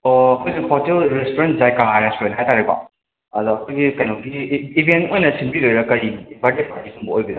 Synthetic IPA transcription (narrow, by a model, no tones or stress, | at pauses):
oɐkʰojsipʰoɾtelɾestoɾent̚zajkaajɾespoɾenɦajt̪aɾiba̰ | ɐd̪uɐkʰojɡikɐjnawɡiːbentojnɐsimbiɾojɾɐkɐjbaɾdet̚paɾtisʰumbuojbid̪a